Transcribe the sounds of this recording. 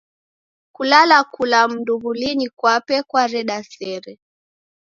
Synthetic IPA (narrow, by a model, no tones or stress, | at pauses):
kulalakulam̩nduβulinikwapɛkwaɾɛɗasɛɾɛ